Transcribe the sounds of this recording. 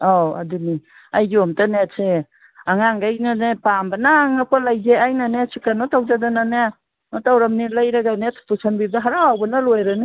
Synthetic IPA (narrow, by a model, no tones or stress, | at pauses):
aa̰duni | ajɡɔmtanese | aŋaŋɡajnanepambanaːŋakalajzeajnanesʰikanɔtawzadanana | nɔtawɾamnilajɾaɡanetʰu̥pusʰanbib̚daɦaɾawawbanalɔjɾɯni